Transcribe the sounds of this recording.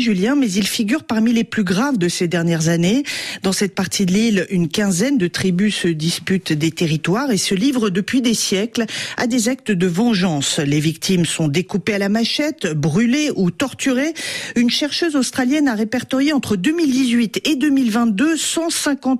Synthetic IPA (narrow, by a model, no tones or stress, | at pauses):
ʒyljɛ̃mɛzilfiɡʲyʁpaʁmileplyɡʁavd̪əsed̪ɛʁnjɛʁzaned̪ɑ̃sɛt̪̚paʁt̪ʰid̪əlilynkʲɛ̃zɛnd̪ət̪χibysəd̪ispyt̪d̪et̪eʁit̪waʁesəlivʁəd̪əpɥid̪esjɛkla̰d̪ezak̚t̪əd̪əvɑ̃ʒɑ̃slevikt̪ʰimsɔ̃d̪ekupealamaʃɛt̪bʁyleʔut̪ɔʁt̪yʁeynʃɛʁʃøzost̪χaljɛnaʁepɛʁt̪ɔʁjeɑ̃t̪χəd̪ømild̪izɥit̪ed̪ømilvɛ̃t̪̚d̪øsɑ̃sɛ̃kɑ̃t̪